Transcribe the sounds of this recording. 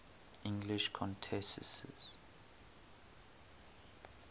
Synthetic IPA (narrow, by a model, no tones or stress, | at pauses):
ĩŋɡliʃkʰɔ̃ntʰɛsɛ̰sɛ̰z̥